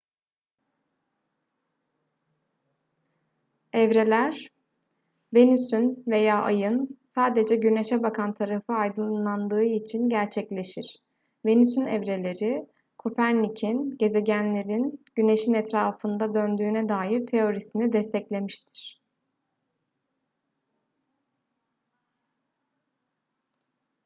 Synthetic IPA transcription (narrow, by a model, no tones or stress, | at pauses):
ɛvɾe̞lʲæɾ̥ | ve̞nysynve̞jaːʔa̰jɯnsaːd̪e̞d͡ʒɛɟyne̞ʃɛbakʰant̪ʰaɾafɯajd̪ɯnlˠand̪ɯːit͡ʃʰinɟæɾt͡ʃʰɛclʲe̞ʃiɾ̥ | ve̞nysynɛ̰vɾe̞lʲe̞ɾi | kʰo̞pʰæɾnicʰinɟe̞ze̞ɟænlʲe̞ɾinɟ̥yne̞ʃinɛt̪ɾaːfɯnd̪ad̪ønd̪yːnɛd̪aːjiɾt̪ʰe̞o̞ɾisinid̪ɛst̪ʰɛclʲe̞miʃt̪ʰi̥ɾ̥